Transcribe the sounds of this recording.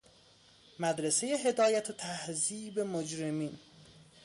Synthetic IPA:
mæd̪ɾese̞je̞ɦe̞d̪ɒːjæt̪ʰot̪ʰæhziːbe̞mod͡ʒɾemiːn

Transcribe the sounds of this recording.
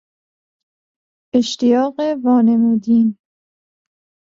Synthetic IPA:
ʔeʃt̪ʰijɒːɢevɒːne̞muːd̪iːn

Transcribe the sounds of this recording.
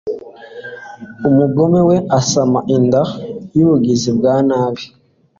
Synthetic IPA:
umuɡo̞meweasamaʔindajuβuɡizibɡaːnaːβi

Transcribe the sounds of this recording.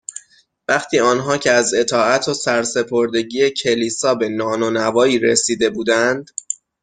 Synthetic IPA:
væχt̪ʰiːɒːnɦɒːcʰeæze̞t̪ʰɒːæt̪ʰosæɾse̞pʰoɾd̪e̞ɟiːecʰe̞liːsɒːbe̞nɒːnonævɒːiːɾesiːd̪e̞buːd̪ænd̪̥

